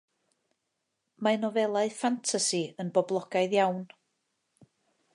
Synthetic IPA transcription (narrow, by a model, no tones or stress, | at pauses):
maɨnɔvɛlˠaɨfantʰasiənbɔblˠɔɡ̥aɨðjawn